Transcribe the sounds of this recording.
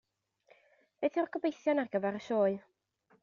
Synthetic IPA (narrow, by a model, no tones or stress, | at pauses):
b̥eθjʊrɡɔbejθjɔnarɡəvaɾəʃoːɨ